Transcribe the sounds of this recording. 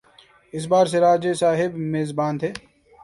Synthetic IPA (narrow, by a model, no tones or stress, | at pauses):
ɪs̬baːɾs̬eɾaːd͡ʒesaːɦɪbmeːzbaːnt̪ʰeː